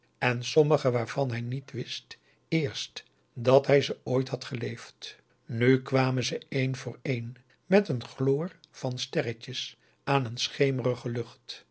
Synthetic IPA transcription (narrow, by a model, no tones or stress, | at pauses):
ɛnsɔməχəʋaːɹv̥ɑnɦɛjnitʋɪst | ɪːɹst | dɑtɦɛjzəoːjtɦɑtχəlejft | nykʋaːməzəejnvʊːɹejn | mɛtənχlʊːr | v̥ɑnstɛrəcəs | aːnənsχejmərəχəlɵχt